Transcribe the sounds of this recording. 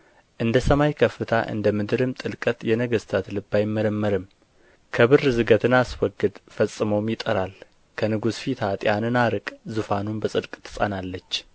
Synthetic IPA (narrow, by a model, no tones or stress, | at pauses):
ʔɨnd̪əsəmajkʰəfːɨt̪ʰa̰ʔɨ̰nd̪əmɨd̪ɨɾɨmt̪ʼɨlkʼət̪jɛnəɡəst̪ʰat̪lɨbːajmːəɾəmːəɾɨm | kʰəβɨrzɨɡət̪ʰɨnaswɔɡɨd̪fəsʼːɨməwmjɪt̪ʼəɾal | kʰənɨɡusfit̪ʰat̪ʼjanɨnaɾɨkʼzufanunbəsʼɨd̪kʼt̪ʰɨ̥sʼa̰nalːət͡ʃː